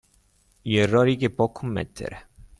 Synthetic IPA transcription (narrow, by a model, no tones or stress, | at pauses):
jerɔɾikepɔkʰːumːɛ̰t̪ʰːḛɾe